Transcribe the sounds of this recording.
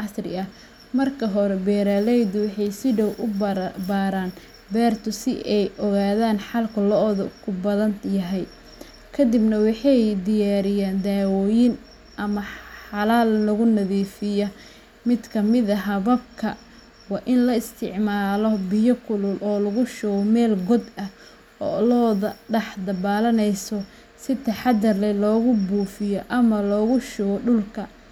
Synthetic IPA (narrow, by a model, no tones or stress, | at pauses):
ʕɑsrɪ̰ɐ | mɐrkʰɐɦɔɾɛbɛːɾalɛjd̪ʊwɑħɑjsɪɖɔwʔʊbaːɾaːn | bɛːrt̪ʰʊsɪʔɛjʔɔɣaːðaːnħɑlkʰʊlɔðkʰʊbɐðɐnjɐɦɛj | kʰɐd̪ɪbnɐwɑħɑjd̪ɪjaːɾɪjaːnd̪aːwɔːjɪn | ʔɐmɐħɑlaːllɐɣʊnɐðiːfɪjɐ | mɪd̪kʰɐmɪðɐɦɐβɐb̚kʰɐ | wɑːʔɪnlɐɪst̪ʰɪʕmaːlɔbɪjɔkʰʊlʊlɔːlɐɣʊʃʊɣmɛːlɡɔd̪ɐh | ɔːlɔːðɐɖɐħd̪ɐbaːlɐnɛjsɔ | sɪt̪ʰɐħɑd̪ɐrlɛlɔːɣʊbuːfɪjɔʔɐmɐlɔːɣʊʃʊɣɔɖʊlkʰɐ